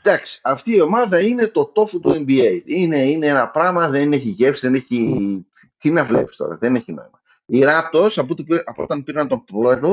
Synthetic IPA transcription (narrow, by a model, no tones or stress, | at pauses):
d̪̥ɐksi̥ɐft̪iːo̞mɐðɐine̞t̪o̞t̪o̞fut̪ue̞mbiejd̪ine̞ineenɐpɾɐmɐðe̞ne̞çiʝepsiðeneçi | t̪inɐvle̞̰pi̥st̪o̞̰ɾɐ̰ðe̞neçino̞̰imɐ | iɾɐp̚t̪o̞sɐpot̪ipiɐpoo̰t̪ɐnpiɾɐnt̪o̞nploet̪o